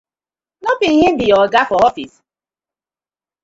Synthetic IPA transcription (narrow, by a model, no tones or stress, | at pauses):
nɔpinɦɪdijɔɡafɔɔfḭs